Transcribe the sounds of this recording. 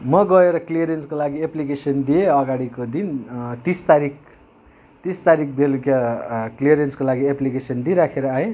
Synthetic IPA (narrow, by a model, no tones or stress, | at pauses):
mʌɡʌeɾʌklijʌɾenskolaɡieplikesʌnd̪ijeʌɡaɽikod̪int̪ist̪aɾik̚ | t̪ist̪aɾik̚bʱelukjaklijʌɾjenskolaɡieplikesʌnd̪iɾakʰeɾʌaẽ